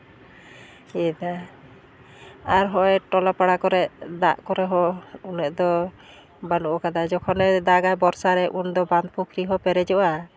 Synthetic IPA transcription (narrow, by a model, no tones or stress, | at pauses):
iɛd̪a | aɾɦɔjʈɔlapaɽakɔɾɛʔd̪aʔkɔɾɛɦɔunɛʔd̪ɔ | banuʔɔkad̪ad͡ʒɔkʰɔnɛd̪aɡajbɔɾsaɾɛʔund̪ɔband̪̚pukʰɾiɦɔpɛɾɛd͡ʒɔʔa